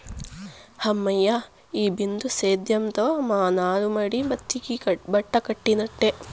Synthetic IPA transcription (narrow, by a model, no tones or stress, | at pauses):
hɐmːɐjːa | iːbind̪useːd̪jɐmt̪ɐmaːnaːɾumɐɽibɐt̪ːikibɐʈːɐkɐʈːinɐʈːe